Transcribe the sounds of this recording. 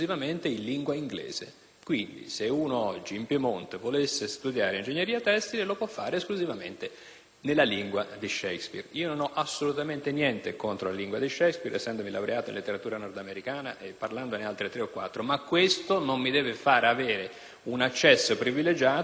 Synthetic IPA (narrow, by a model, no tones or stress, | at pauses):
zivament̪einliŋɡwaiŋɡlḛːz̥e | kwind̪ḭseuːnoɔd͡ʒːiːmpjemont̪evolesːest̪ud̪jaːɾeind͡ʒeɲːeɾiːat̪ɛst̪ilelopwɔfːaːɾeːskluzivamḛnt̪e | nelːaliŋɡwad̪iʃɛjkspḭriːononɔʔasolut̪ament̪enjɛnt̪ekont̪ɾolaliŋɡwad̪iʃɛjkspiɾḛsːɛnd̪omila̰wɾeaːt̪oḭnlet̪ːeɾat̪uːɾanɔrd̪ameɾikaːnaʔepːarland̪onealt̪ɾet̪ɾeokːwa̰t̪ːɾomakːwest̪onomːid̪ɛːvefaːɾeaveːɾe | unat͡ʃːɛsːopɾiviled͡ʒaː